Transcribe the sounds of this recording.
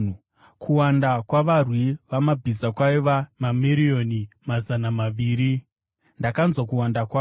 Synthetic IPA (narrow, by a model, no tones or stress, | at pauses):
kʰuwandakwaʋarwiʋamabʱizakwaiʋamamiɾio̞ni | mazanamaʋiːɾi | ndakanzwakuwandakwa